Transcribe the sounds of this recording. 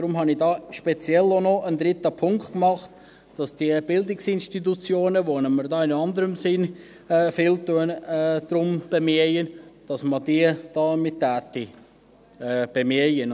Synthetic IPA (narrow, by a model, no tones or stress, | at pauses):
d̥ɾʊmɦɑnidɑːʃpɛt͡sjɛlonɔəndɾɪtəpʰʊŋktkmɑχt | d̥ɑsd̥iəb̥ɪldɪksɪnʃtit̬ut͡sjoːnəʋonɛmərdɑːɪnɑnd̪əɾəmsɪn | ɛfɪltuənɛːd̥rʊmb̥emiəjənd̥ɑsmədiəd̥ɑːmɪttːæːt̪i | ɛb̥emiəjən